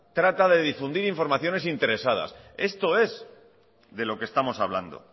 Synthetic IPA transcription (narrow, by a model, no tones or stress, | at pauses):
t̪ɾat̪aðe̞ðifund̪iɾiɱfo̞ɾmaθjo̞ne̞sint̪e̞ɾe̞sað̞a̰se̞st̪o̞e̞z | ðe̞lo̞kest̪amo̞saβland̪o̞̰